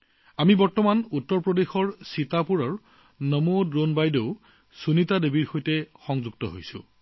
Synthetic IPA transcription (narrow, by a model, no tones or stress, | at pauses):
amibɔɹtɔmanutːɔɹpɹɔdexɔɹsitapuɹɔɹ | nɔmodɹonbajdeʊ | sunitadebiɹxojtɛxɔŋzuɡ̚tɔɦo̰jsʊ̰̃